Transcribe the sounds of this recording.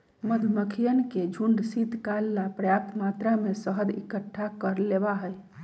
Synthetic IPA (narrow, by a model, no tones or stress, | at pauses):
məd̪ʱməkʰijənked͡ʒʱuɳɖsit̪kalːapɾəjap̚t̪mat̪ɾamesəɦəd̪ḭkəʈʰːakəɾlebaɦəj